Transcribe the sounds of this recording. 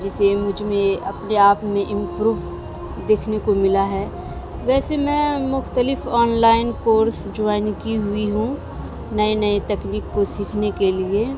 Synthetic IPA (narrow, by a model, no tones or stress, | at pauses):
d͡ʒɪsemʊd͡ʒʱmẽɐ̰pneaːpmẽʔɪ̃mpɾuːʋ | d̪eːkʰnekomɪlaɦɛ | ʋɛːsemɛ̃mʊxt̪əlɪfɔːnlaːɪnkoːɾsd͡ʒʊaːnkiɦʊiɦũ | nɐenɐet̪ɛkniːkːosiːkʰnekelie